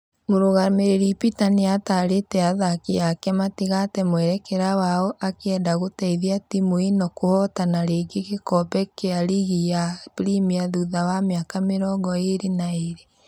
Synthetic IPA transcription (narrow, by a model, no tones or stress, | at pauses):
moɾoɣameɾeɾipitaniataɾetɛaðakejakɛmatiɣatɛmwɛɾɛkeɾawaɔʔakeɛdaɣotɛiðiatimoinɔkohɔtanaɾeːɡekekɔbɛkeaɾiɣijapɾimiaðuðawameakameɾɔŋɡɔeɾenaeɾe